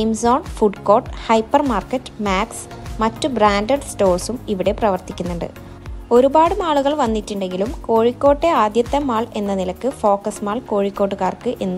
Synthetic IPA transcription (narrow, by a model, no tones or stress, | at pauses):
imsoːnfuɖko̞ːʈhɐjpːɐrmaːrkɐtːɨ̥maːks | mɐtːɨbraːnɖɐɖsto̞ːrsumiʋiɽe̞prɐʋɐrt̪ikʲːunːuɳɖɨ̰ | o̞ɾubaːɽumaːɭuɣɐɭʋɐnːiʈːuɳɖe̞ŋɡilumko̞ːɻikʲːo̞ːʈːe̞aːd̪jɐt̪ːɐmːaːɭe̞nːɐnilɐkːɨfo̞ːkɐsmaːɭko̞ːɻikːoːʈːuɣaːrkɨʔe̞nːu